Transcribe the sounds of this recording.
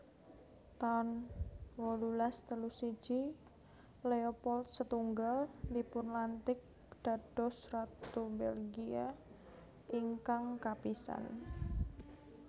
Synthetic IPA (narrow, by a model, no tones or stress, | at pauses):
t̪anwɔlulast̪əlusi̥d͡ʒ̥i | leopɔlt̪̚sət̪uŋɡalnipʊnlant̪ɪk̚ | d̪̥a̤d̥ɔsrat̪ubelɡia | iŋkaŋkapisa̰n